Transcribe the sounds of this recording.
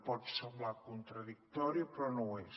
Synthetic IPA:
pɔt̪semblakunt̪ɾəðik̚t̪ɔɾiəpɾɔnõwɛ

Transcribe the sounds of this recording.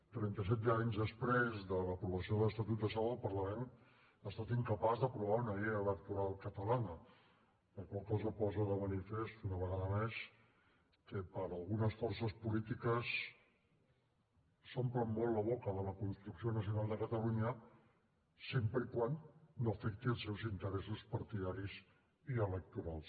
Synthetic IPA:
t̪ɾɛnt̪əs̬ɛt̪̚d̪aɲzðəspɾezðələpɾuβəsioðələst̪ət̪ut̪̚d̪əsawəlˠpəɾləmen | ast̪at̪iŋkəpazðəpɾuβaunəələk̚t̪uɾalˠkət̪əlanə | ləkwalˠkɔzəpɔzəðəmənifest̪unəβəɣaðəmes | kəpəɾəlˠɣunəsfɔrsəspulit̪ikəs | sompɾəmːolləβ̞ɔkəðələkunst̪ɾuksionəsiunalˠd̪əkət̪əluɲə | sempɾəikwanːofɛk̚t̪iəlˠsɛwzint̪əɾɛsuspəɾt̪iðaɾiz | iələk̚t̪uɾalˠs

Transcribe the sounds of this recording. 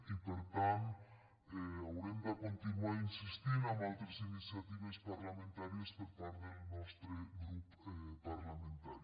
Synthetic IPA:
ipeɾt̪an | eawɾend̪akont̪inuainsist̪iɾamalt̪ɾesinisjat̪iβespaɾlamẽnt̪aɾjespeɾpaɾðenɔst̪ɾeɡɾup | paɾlamẽnt̪aɾ

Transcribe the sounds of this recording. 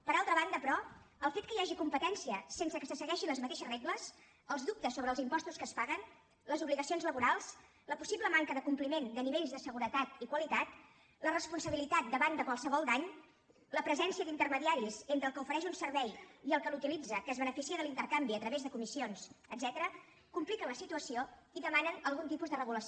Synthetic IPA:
pəɾalˠt̪ɾəβand̪əpɾɔəlˠfet̪̚kəjaʒikumpət̪ɛnsiəsensəkəsəsəɣɛʃinləzmət̪eʃəzreɣləs | əlˠzðup̚t̪əsːoβɾəːlˠzimpɔst̪uskəspaɣən | ləzuβliɣəsionzləβuɾalˠs | ləpusiβləmaŋkəðəkumplimend̪əniβeʎzðəsəɣuɾət̪at̪ikwəlit̪at̪ | lərəspunsəβilit̪at̪̚d̪əβand̪əkwalˠsəβɔlˠd̪aɲ | ləpɾəzɛnsiəd̪int̪ərməðiaɾizent̪ɾəlˠkəufəɾɛʃunsəɾβɛjiəlˠkəlut̪ilid͡zəkəːzβənəfisiəðəlint̪əɾkambiət̪ɾəβezðəkumisionsəd̪zɛt̪əɾə | kumplikənləsit̪uəsioiðəmanənəlˠɣunt̪ipuzðərəɣuləs

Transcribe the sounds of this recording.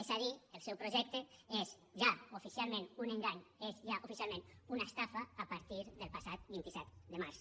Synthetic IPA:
esaðielˠsɛwpɾoʒɛk̚t̪eez | ʒaofisialˠmẽnunẽŋɡaɲezʒaʔofisjalˠmẽnunast̪afaːpaɾt̪iɾðelˠpasat̪bint̪isɛt̪d̪emaɾs

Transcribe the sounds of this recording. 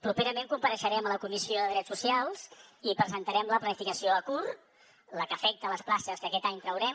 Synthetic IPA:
pɾupeɾəmẽŋkumpəɾəʃəɾɛmələkumisioðəðɾɛt͡ssusialˠzipɾəzənt̪əɾɛmləplənifikəsioəkur | ləkəfɛk̚t̪ələsplasəskəkɛt̪aɲt̪ɾəwɾɛm

